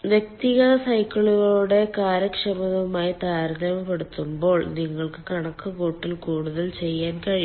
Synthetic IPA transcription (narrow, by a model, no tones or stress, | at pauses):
ʋjek̚t̪iɣɐsɐjkːɐɭuɣɐoːɽe̞kaːɾɐkʂɐmɐðɐmaːjit̪aːɾɐd̪ɐmɐpːeɽut̪ːumbo̞ːɭniŋːɐɭkɨkɐɳɐkːukuːʈːilkuːɽuðɐlt͡ɕe̞jːaːnkɐɻi